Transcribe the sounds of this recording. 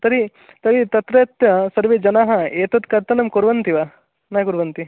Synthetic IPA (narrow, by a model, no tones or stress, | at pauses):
t̪ɐɾi | t̪ɐɾit̪ɐt̪ɾɐːt̪jɐsɐɾʋed͡ʒɐnaːɦɐ̆eːt̪ɐd̪kɐɾt̪ɐnɐmkuɾʋɐnt̪iʋaː | nɐːkuɾʋɐnt̪i